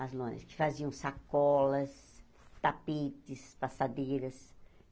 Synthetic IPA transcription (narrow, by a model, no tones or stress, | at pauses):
ɐzlõnɐ̰skɪ̥faziɐ̃w̃sakɔlɐs | t̪apit̪ɪspasad̪ejɾɐs